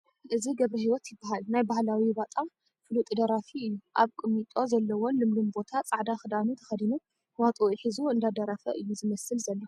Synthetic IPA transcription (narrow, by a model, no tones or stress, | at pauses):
ʔɨziɡɐβɾɐhiwɔt̪jɪbːaɦalnajbahlawibat̪ʼam | fɨlut̪ʼɨd̪ɐɾafiɨjːuʔaβkʼɨmːit̪ʼo̞zɐlːɐwonlɨmlumbo̞t̪ʰat͡sʼaʕd̪axɨd̪anut̪ʰɐ̥xɐd̪inu | wat̪ʼoiħizuɨnd̪ad̪ɐɾafɐʔɨjːuzɨmɐsɨlzɐlːo